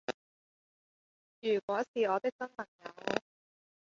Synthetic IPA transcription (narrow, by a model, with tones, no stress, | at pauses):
jyː˨˩kwɔː˨˥siː˨ɔː˨˧t̪ɪ˥k̚t͡sɐ˥npɐ˨˩ŋjɐ˨˧w